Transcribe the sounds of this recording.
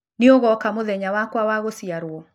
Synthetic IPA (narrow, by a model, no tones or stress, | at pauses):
nɪoɣɔkamoðɛɲawakwawaɣosiaɾuɔ